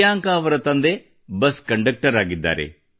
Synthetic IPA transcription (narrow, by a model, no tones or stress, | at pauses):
aːŋkaːʋɐɾɐt̪ɐnd̪e | bɐskɐɳɖɐk̚ʈɐɾaːɡid̪ːa̰ːɾḛ